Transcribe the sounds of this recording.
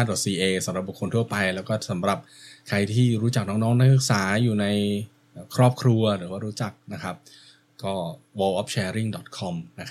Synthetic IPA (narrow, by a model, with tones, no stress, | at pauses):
a˥˩dɔ˨˩t̪̚siː˧ʔeː˧sa˩˦mɾa˨˩p̚bu˨˩kʰo˧nt̪ʰu˥˩ɐpa˧jlɛː˦˥wkɔː˥˩sa˩˦mɾa˨˩p̚kʰa˧jt̪ʰiː˥˩ɾuː˦˥t͡ɕa˨˩k̚nɔː˦˥ŋnɔː˦˥ŋna˦˥k̚sɯ˨˩k̚saː˩˦juː˨˩na˧jː | kʰɾɔː˥˩p̚kʰɾu˧ɐɾɯː˩˦waː˥˩ɾuː˦˥t͡ɕa˨˩k̚na˦˥kʰa˦˥p̚ | kɔː˥˩ | woː˧ʔɔː˦˥p̚t͡ɕʰɛː˧ɾi˥˩ŋdɔ˨˩t̪̚kʰɔ˧mna˦˥kʰ